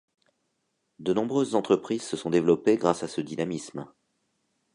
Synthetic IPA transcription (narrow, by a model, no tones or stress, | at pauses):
d̪ənɔ̃bʁøzːɑ̃t̪χəpχizsəsɔ̃d̪evlɔpeɡʁasasəd̪inamism